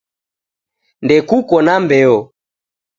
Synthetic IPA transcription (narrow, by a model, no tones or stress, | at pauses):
ndɛkukɔnambɛɔ